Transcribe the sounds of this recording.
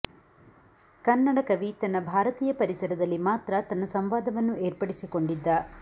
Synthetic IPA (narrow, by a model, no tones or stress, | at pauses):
kɐnːɐɽɐkɐʋit̪ɐnːɐbʱaːɾɐt̪iːjɐpɐɾisɐɾɐd̪ɐlːimaːt̪ɾɐt̪ɐnːɐsɐmʋaːd̪ɐʋɐnːueːɾpɐɽisiko̞ɳɖid̪ːɐ